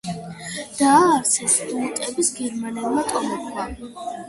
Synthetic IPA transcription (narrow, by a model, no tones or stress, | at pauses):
d̪̥aːɾsʰɛsiut̪ʼɛbisɡɛɾmanɛlˠmat̪ʼɔmɔχʰwa